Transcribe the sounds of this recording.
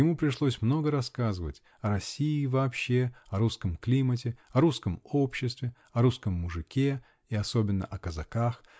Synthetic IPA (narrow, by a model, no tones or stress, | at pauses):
jɪmupɾʲɪʂlˠosʲmno̞ɡəɾɐskazɨvə̰tʲ | ɐɾɐsʲːiːvɐːpɕːe̞ɐɾuskəmklʲimət̬ʲɪɐɾuskəmopɕːɪst̪vʲɪ | ɐɾuskəmːʊʐɨkʲe̞ | iɐso̞bʲɪnːə̰ʔɐkəzɐkax